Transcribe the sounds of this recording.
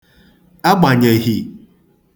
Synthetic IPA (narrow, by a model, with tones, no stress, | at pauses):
a˦ɡ͡ba˨ɲe˨ɦi˨